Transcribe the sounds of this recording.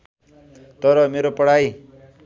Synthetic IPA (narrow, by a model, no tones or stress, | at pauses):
t̪ʌɾʌmeɾopʌɽ̤aj